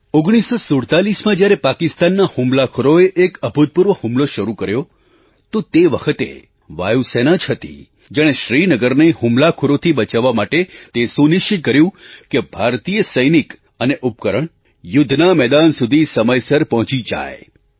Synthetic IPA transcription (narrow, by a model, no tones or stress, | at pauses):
oɡɽ̃isosuɽt̪alismãd͡ʒjaɾepakɪst̪anːahumlakʰoɾoeʔekəbʱud̪̚puɾʋəhũmloʃəɾukəɾjo | t̪ot̪eʋəkʰət̪ḛ | ʋa̰jusenad͡ʒɦət̪ḭ | d͡ʒaɽ̃eʃɾinəɡəɾnehumlakʰoɾot̪ʰiɓət͡ʃaʋːamaʈet̪esunɪʃt͡ʃikəɾjũkebʱaɾt̪ijəsəjnik | əneʔupkəɾəɳ̃ | jʊd̪ʱnamɛd̪ansud̪ʱisəməjsəɾpɔɦɔ̃t͡ʃid͡ʒa̰je